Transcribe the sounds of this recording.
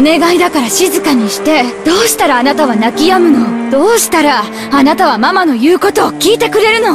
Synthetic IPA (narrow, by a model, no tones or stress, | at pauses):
one̞ɡaid̪akaɾaɕizɨkaɲ̟iɕi̥t̪e̞d̪̥o̞ːɕi̥t̪aɾaːnat̪aβ̞anakʲijamɯ̟no̞d̪̥o̞ːɕi̥t̪aɾa | anat̪aβ̞amamano̞jɯ̟ːko̞t̪o̞ːkʲiːt̪e̞kɯ̟ɾe̞ɾɯ̟no̞